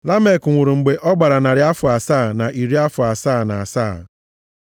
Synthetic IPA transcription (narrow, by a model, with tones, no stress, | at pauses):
la˦me˨kŋʷʊ˨ɾu˨ŋ͡m̩˨ɡ͡be˨ʔɔ˦ɡ͡ba˨ɾa˨na˨ɾɪ˨˦a˦fʊ˨a˨saː˦˨na˨ʔi˨ɾi˦a˦fʊ˨a˨saː˦˨na˨a˨sa̰ː˦˨